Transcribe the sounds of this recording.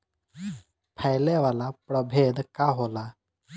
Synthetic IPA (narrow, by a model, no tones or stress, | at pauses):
pʰajlɛʋalapɾəbʱed̪kaɦola